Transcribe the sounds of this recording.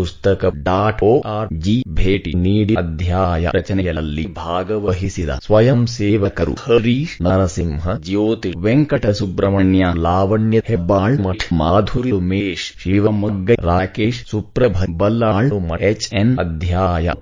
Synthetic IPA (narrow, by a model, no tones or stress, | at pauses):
pust̪ɐkɐɖaːʈoːʔaːɾd͡ʒibʱeːʈḭniːɽiɐd̪ʱjaːjɐ̰ɾɐt͡ʃɐnejɐlːibʱaːɡɐʋɐɦisid̪ɐ̰sʋɐjɐmseːʋɐkɐɾṵhɐɾiːnɐɾɐsimɦɐd͡ʒijoːt̪iʋeŋkɐʈɐsupɾɐʋɐɳjalaːʋɐɳjɐhebaːɭmɐʈʰmaːd̪ʱuɾiumeːʂʃiʋɐmɐɡːɐɾaːkeːʂsupɾɐbʱɐbɐlaːɭumɐet͡ʃʰenɐd̪ʱjaːjɐ̰